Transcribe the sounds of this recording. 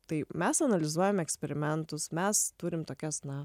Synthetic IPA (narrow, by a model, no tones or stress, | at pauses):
t̪ɐɪmʲɛsɐnɐlʲɪzuɔjɛmɛksʲpʲɛɾʲɪmʲɛnt̪ʊsmʲɛst̪uːɾʲɪmt̪oːkʲɛsnɐ